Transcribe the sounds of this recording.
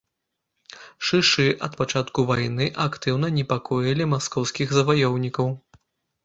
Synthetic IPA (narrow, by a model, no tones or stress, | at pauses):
ʂɨʂɨʔɐt̪pat͡ʂat̪kuvajnɨʔakt̪ɨwnɐnʲɛpakɔjɐlʲimaskɔwskʲiɣzɐvajɔwnʲikɐw